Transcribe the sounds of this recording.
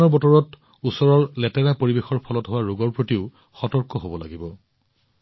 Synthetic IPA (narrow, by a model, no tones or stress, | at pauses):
ɔɹbɔtɔɹɔt | usɔɹɔɹlɛtɛɹapoɹibexɔɹpʰɔlɔtɦowaɹuɡɔɹpɹotiʊ | xɔtɔɹkɔɦobɔla̰ɡibɔ